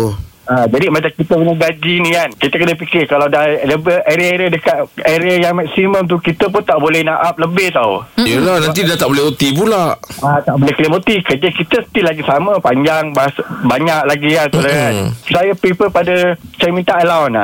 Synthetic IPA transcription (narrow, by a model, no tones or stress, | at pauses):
ad͡ʒadimat͡ʃamkit̪əkənəɡad͡ʒinĩankit̪əkənəpikɪrkalawdaləbəʔeɾiaeɾiadəkat̪̚eɾiajaŋmɛk̚simə̃mt̪̬ukit̪əp̬ʊnt̪aʔbolɛhnaʔap̚ləbɪht̪aṵjəlanant̪̬idat̪aʔbolɛot̪ibulaʔat̪aʔbolɛhkəlimot̪ikərd͡ʒəkit̪əsə̥t̪ilaɡisamə̃paɲd͡ʒaŋbasbaɲaʔ̚laɡiansulaasajəpipəpadəsajəmint̪aʔəlawna̰